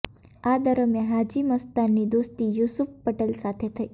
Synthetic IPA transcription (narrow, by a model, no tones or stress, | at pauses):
ad̪əɾəmjanɦad͡ʒiməst̪anːid̪ost̪ijusufpəʈelsat̪ʰet̪ʰəi